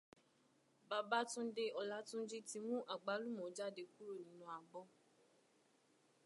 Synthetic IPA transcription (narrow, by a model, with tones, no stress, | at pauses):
ba˨˧ba˦tũ˦de˧ɔ˨la˨˦tũ˦d͡ʒi˦ti˧mũ˦ʔa˨ɡ͡ba˨˦lu˦mɔ̃˨˦d͡ʒa˦˨de˧ku˦ɾo˦˨nĩ˨˦nũ˧a˨bɔ˧˦